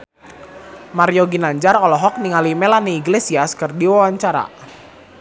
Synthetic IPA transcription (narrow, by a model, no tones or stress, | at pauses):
maɾjoɡinaɲd͡ʒarɔlɔɦɔk̚niŋalimelaniːɡlesiaskɨrdiwawaɲt͡ʃaɾa̰